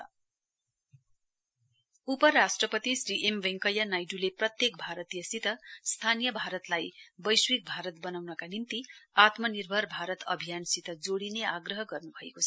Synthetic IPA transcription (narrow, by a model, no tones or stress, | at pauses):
upʌɾasʈrʌpʌt̪isriʔembeŋkʌjanajɖuleprʌt̪jek̚bʱaɾʌt̪ijʌsit̪ʌst̪ʰanijʌbʱaɾʌt̪lajbʌjswik̚bʱaɾʌt̪bʌnawnʌkanint̪iat̪mʌnirbʱʌrbʱaɾʌt̪ʌ̰bʱijansit̪ʰʌd͡zoɽineaɡrʌɦʌɡʌrnubʱʌekot͡sʰʌ